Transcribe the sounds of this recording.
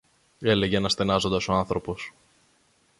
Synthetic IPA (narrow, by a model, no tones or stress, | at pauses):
e̞le̞ʝenɐst̪e̞nɐzo̞nd̪ɐso̞ɐnθɾo̞po̞s